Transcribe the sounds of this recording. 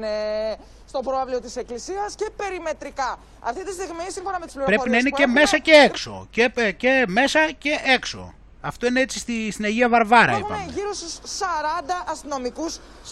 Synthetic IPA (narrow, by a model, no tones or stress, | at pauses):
ne | st̪o̞pɾoɐvlio̞t̪ise̞klisiɐsce̞pe̞ɾime̞t̪ɾikɐ | ɐ̰ft̪it̪ist̪iɣmisinɱfo̞nɐmet̪u̥spliɾopɾe̞fopinnɐineceme̞sɐceekso̞̰ceceme̞sɐce̞ʔekso̰ | ɐft̪o̞ineet͡s̪si̥st̪ist̪inɐʝiɐvɐɾvɐɾɐ̰ipɐ̰meʝiɾosussɐɾɐnd̪ɐʔɐst̪ino̞mikus